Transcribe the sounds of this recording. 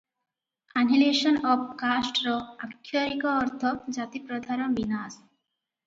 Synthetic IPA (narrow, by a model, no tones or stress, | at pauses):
anɦileʃɔnɔbkasʈɾɔakʰːjoɾikoːɾt̪ʰɔd͡ʑat̪ipɾɔd̪ʱaɾɔnbinas